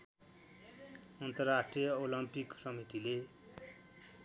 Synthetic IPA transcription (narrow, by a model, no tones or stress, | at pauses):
ʌnt̪ʌrːasʈrijʌolʌmpiksʌmit̪ile